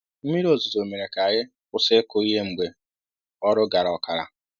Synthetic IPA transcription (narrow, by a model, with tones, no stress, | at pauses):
m̩˦mi˦ɾo˨zu˨zo˨me˨ɾe˨ka˨ɣɪ˦ | ʊ˦se˦ko˦i˦ɦe˦ŋ͡m̩˨ɡ͡be˨ | ɔ˦ɾʊ˦ɡa˨ɾa˨ɔ˨ka˨ɾa̰˨